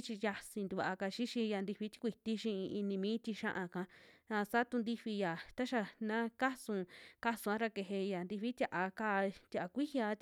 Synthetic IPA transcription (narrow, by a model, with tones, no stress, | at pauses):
t͡ʃi˧ja˧si˧nd̪u˧˨βa˨ʔka˧ʃi˦ʃĩ˧ja˧nd̪i˧ɸi˧˦t̪i̥˦kʷi˨t̪i˦ʃĩ˧i˧nĩ˧mĩː˦t̪i˧ʃã˦ʔã˧kã˧ã˧sa˦t̪u˧nd̪i˧ɸi˧ja˨t̪a˦ʃa˧nã˦ka˦sũ˧ka˦sũ˧ã˧˦ɾa˧ke˧˨ɦe˧ja˨nd̪i˧ɸi˦t̪ʲa˧ʔa˧ka˧t̪ʲa˧ʔa˧kʷi˦hja˧˦t̪